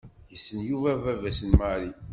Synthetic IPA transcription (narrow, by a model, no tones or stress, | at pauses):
jəsːənjuvævævæsənmaɾi